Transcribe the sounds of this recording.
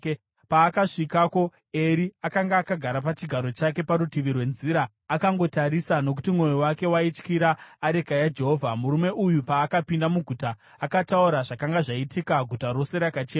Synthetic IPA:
paːkaʂikako̞ | eɾiakaŋɡaːkaɡʱaɾapat͡ʃiɡʱaɾo̞t͡ʃake̞paɾutiʋirwe̞nziɾaː | kaŋɡo̞taɾisano̞k̬u̥timwo̞jowake̞wait͡ʃkiɾaːɾe̞kajad͡ʒe̞ɦo̞vʱamuɾume̞ʔujupaːkapindamuɡʱutaː | katauɾaʐakaŋɡaʐaitikaɡʱutaɾo̞se̞ɾakat͡ʃeː

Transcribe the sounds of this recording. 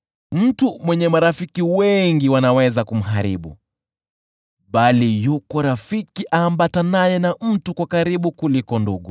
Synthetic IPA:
m̩tumwɛɲɛmaɾafikiwɛŋɡiwanawɛzakum̩ɦaɾiɓṵ | ɓalijukɔɾafikiʔaːmbatanajɛnam̩tukwakaɾiɓukulikɔnduɠu

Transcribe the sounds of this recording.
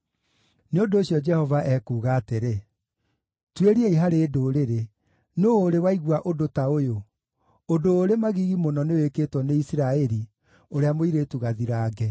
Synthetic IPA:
neondoːɕjɔd͡ʒɛhɔvaʔɛkuːɣaːteɾe | tweɾieiɦaɾeːdoːɾeɾe | noːɾewaiɣwaʔodotaojo | odoːɾemaɣiɣimonɔneowekeːtwɔneisiɾaɛɾi | oɾeamoiɾetuɣaðiɾaːɡɛ

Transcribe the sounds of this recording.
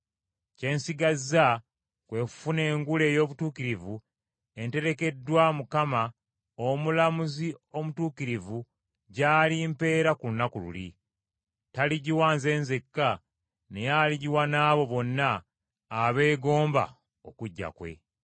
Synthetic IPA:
ce̞ːnsiɡazːa | kwe̞ːku̥fune̞ːŋɡule̞ːjo̞ːβutuːkiɾivu | e̞nte̞ɾe̞ke̞dwamukama | omulamuzio̞mutuːkiɾivu | ɟaːlimpe̞ːɾakulunakulṵlḭ | taliɟiwaːnze̞ːnzekːa | ne̞jaliɟiwanaːβo̞βo̞nːaː | βe̞ːɡo̞ːmba̰ | o̞kuɟːa̰kwe̞̰

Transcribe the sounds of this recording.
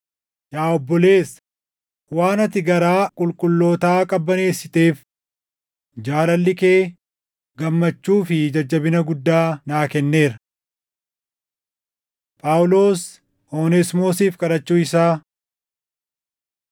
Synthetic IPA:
jaːɔbːɔle̞ːs | waːnɐt̪ɪɡɐɾaːkʼʊlkʼʊlːo̞ːt̪aːkʼɐbːɐneːsːɪt̪e̞ːf | d͡ʒaːlɐlːɪkeː | ɡɐmːɐt͡ʃːuːfɪd͡ʒɐd͡ʒːɐbɪnɐɡʊd̪ːaːnaːkɛnːe̞ːɾɐ | pʼaːwʊlo̞ːs | oːnɛsmo̞ːsiːfkʼɐɾɐt͡ʃːuːɪsaː

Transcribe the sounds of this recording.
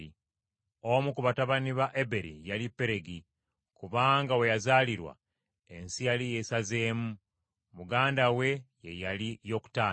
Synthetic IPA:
i | omukuβataβaniβaʔebe̞ɾḭjalipːe̞ɾe̞ɡi | kuβaːŋɡawe̞jazaːliɾwa̰ | e̞nsijalije̞saze̞ːmu | muɡaːndawe̞je̞jalijo̞ːku̥taː

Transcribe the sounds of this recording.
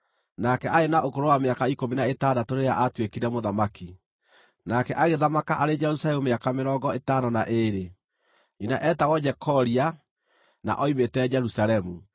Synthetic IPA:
nakɛʔaenaʔokoɾowameakaikominaetaːdatoɾejaʔatwekiɾɛmoðamaki | nakɛʔaɣeðamakaʔaɾed͡ʒɛɾusalɛmumeakameɾɔɡɔetanɔnaʔeɾe | ɲinaʔɛtaɣɔd͡ʒɛkʰɔɾia | na̰ʔɔimetɛd͡ʒɛɾusaɾɛmu

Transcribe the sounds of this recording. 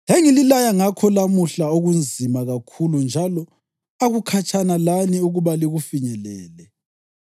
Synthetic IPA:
ɦeŋililajaŋakʰɔlamuɬaoɣund͡zʱimaɣakʰulund͡ʒʱalɔ | aɣukʰat͡ʃʼʰanalaniuɣuβaliɣufiɲɛlɛːlɛ

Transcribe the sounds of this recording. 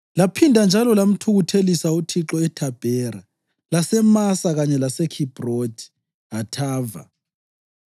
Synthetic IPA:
lapʰindʱand͡ʒʱalɔlam̩tʰuɣutʰelisautʰiǁɔɛtʰab̥ʱɛɾa | lasɛmasaɣaɲɛlasɛkʰib̥ʱrod̥ʱi̥ | atʰaːva̰

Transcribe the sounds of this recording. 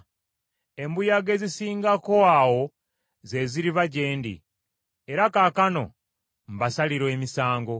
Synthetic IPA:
e̞mbujaɡe̞zisiːŋɡako̞awo̞ | ze̞ziɾiβaɟe̞ːndḭ | e̞ɾakaːkano̞̰ | m̩basaliɾwe̞ːmisaːŋɡo̞

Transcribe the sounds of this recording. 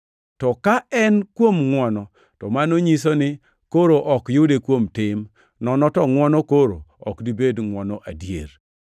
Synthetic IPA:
tɔkaɛnkwomŋwɔnɔ | tɔmanoɲis̬onɪ | koɾoʔɔkjudekwomtɪm | nɔnɔtɔŋwɔnɔkoɾo̰ɔ̰kdibedŋwɔnɔʔadjḛɾ

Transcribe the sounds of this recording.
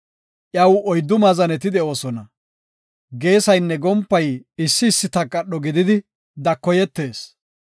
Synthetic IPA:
ʔjɐwɔjd̪ːʊmɐzɐnɛt̪ɪd̪ɛʔo̞ːsɔnɐ | ɡe̞ːsɐjnːɛɡɔmpːɐjɪsːɪːsːɪt̪ɐkːɐɗːɔɡɪd̪ɪd̪ɪ | d̪ɐkːɔjɛt̪ːe̞ːs

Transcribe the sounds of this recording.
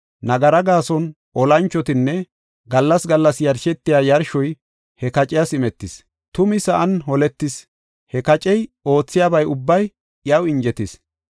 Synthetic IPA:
nɐɡɐɾɐɡaːsɔn | ʔɔlɐnt͡ʃːɔt̪ɪnːɛ | ɡɐlːɐsɡɐlːɐsjɐɾʃɛt̪ːɪjaːjɐɾʃɔj | hɛkɐt͡ʃʼɪjasɪmɛt̪ːɪs | t̪ʊmɪsɐʔɐnhɔlɛt̪ːɪs | hɛkɐt͡ʃʼɛjo̞ːt͡sːɪjaːbɐjʊbːɐj | ɪjɐwɪnd͡ʒɛt̪ɪs

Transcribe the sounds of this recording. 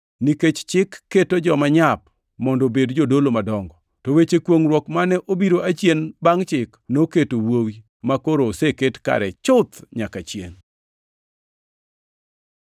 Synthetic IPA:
niket͡ʃt͡ʃɪkːetod͡ʒɔmaɲap | mɔndɔbedd͡ʒodolomadɔŋɡɔ | towet͡ʃekwoŋɾwɔkmanɛʔobiɾoʔat͡ʃjenbaŋt͡ʃɪknoketowowi | makoɾoseketka̰ɾɛt͡ʃʊt̪ɲakat͡ʃjḛn

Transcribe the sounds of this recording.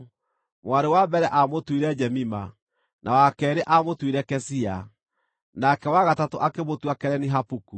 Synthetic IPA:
mwaɾewabɛɾɛʔamotwiɾɛd͡ʒɛmima | nʔawakɛːɾeʔamotwiɾɛkɛsia | nakɛwaɣatatoʔakemotwakɛɾɛniɦapuku

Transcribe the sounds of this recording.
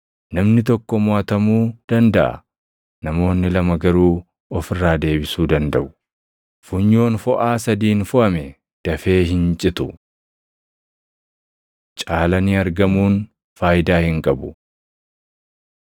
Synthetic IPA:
nɐmnɪt̪ɔkːɔmʊaːt̪ɐmuːd̪̥ɐnd̪ɐʔɐ̰ | nɐmo̞ːnːɪlɐmɐɡɐɾuː | ɔfɪrːaːd̪e̞ːbɪsuːd̪ɐnd̪ɐʔʊ̥ | fʊɲːo̞ːnfɔʔaːsɐd̪iːnfʊʔɐmɛ | d̪̥ɐfe̞ːhɪnt͡ʃʼɪt̪ʊ | t͡ʃʼaːlɐnɪɐɾɡɐmuːn | faːjɪd̪aːhɪŋkʼɐbʊ

